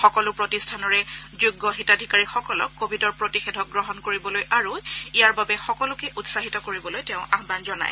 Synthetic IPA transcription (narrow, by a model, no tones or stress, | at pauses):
xɔkɔlʊpɹotistʰanɔɹɛzuɡːɔxitadʱikaɹixɔkɔlɔ̰kːobʱidɔɹpɹotixedʱɔk̚ɡɹɔɦɔnkoɹibɔlojʔaɹuijaɹbabɛxɔkɔlʊkɛʔutsaɦitɔkoɹibɔlojtɛʊ̃aɦbanzɔna̰j